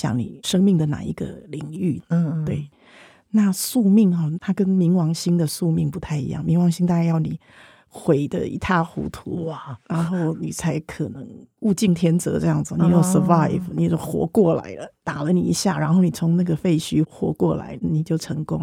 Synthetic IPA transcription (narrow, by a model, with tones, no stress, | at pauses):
ɕjɑ̰˨˩ŋnḭ˨˩ʂɤ˥ŋmi˥˩ŋd̪ə˩na̰˨˩ḭ˧˥ɡə̰˧li˨˩ŋy˥˩t̪wḛ˥˩ɪ | na˥˧su˥˧mi˥˩ŋɑ˨˩t̪ʰa˥kə˥nmi˧˥ŋwɑ˧˥ŋɕi˥ŋd̪ə˨su˥˧mi˥˩ŋpu˧˥t̪ʰa˥˩ɪḭ˧˥jɑ̰˥˩ŋmi˧˥ŋwɑ˧˥ŋɕi˥ŋt̪a˥˧ka˥˧jɑ˥˩ʊni˨˩ | xwe˨˩ɪd̪ə̰˧ḭ˧˥t̪ʰa˥˩xṵ˧˥t̪ʰṵ˧˥ɻa˧˦nxo˥˩ʊni˨˩t͡sʰa˧˥ɪkʰɤ˨˩nə˧˥ŋu˥˧t͡ɕi˥˩ŋt̪ʰjɛ˥nt͡sɤ̰˧˥ʈ͡ʂɤ˥˧jɑ˥˩ŋd͡z̩˨ni˨˧˥jo˥˨˩sə˨fa˥ɪfni˨˩t͡ɕjo˥˩ʊxwɔ̰˧˥kwɔ˥˩la̰˧˥ɪlə˧t̪a˨˩lə˧˦nḭ˨˩i˧˥ɕja˥˩ɻa˧˥nxo˥˩ʊni˨˩t͡sʰʊ˧˥ŋna˥˩ɡə˩fe˥˩ɪɕʰy˥xwɔ̰˧˥kwɔ˥˩la̰˧˥˦ɪni˨˩t͡ɕjo˥˩ʊʈ͡ʂʰɤ˧˥ŋkʊ˥ŋ